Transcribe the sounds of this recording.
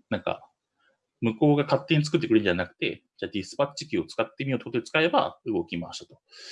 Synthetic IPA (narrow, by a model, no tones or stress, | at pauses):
nãŋka̰ | mɯ̟ko̞ːɡakat̪ːe̞ɲ̟itt͡sɨ̥kɯ̟t̪̬ːeɯɾenɲd͡ʑanakɯ̟̥t̪e̞̰ | d͡ʑaːd̪ʲisɨ̥pat͡ɕikʲio̞t͡sɨ̥kat̪ːe̞mʲio̞t̪ːoot̪et͡sɨ̥kae̞ba̰ɯ̟ɡo̞kʲimaa̰ɕi̥t̪ḁt̪o̞